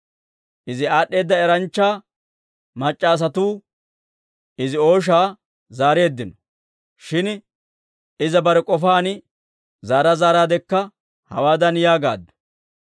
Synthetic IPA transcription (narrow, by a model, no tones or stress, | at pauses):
ʔɪzɪaːɗːe̞ːd̪ːɐɛɾɐnt͡ʃːaː | mɐt͡ʃʼːaːs̬ɐt̪uː | ɪzɪo̞ːʃ̬aː | zaːɾe̞ːd̪ːɪnɔ̥ | ʃɪn | ɪzɐbɐɾɛkʼɔfaːn | zaːɾɐzaːɾaːd̪ɛkːɐ | hɐ̰waːd̪ɐnjaːɡa̰ːd̪ːɔ̥